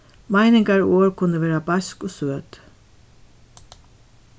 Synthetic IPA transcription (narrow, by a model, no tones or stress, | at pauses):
maɪnɪŋkaɹoːɹkʰʊnəʋeːɾabaskɔsøːt̪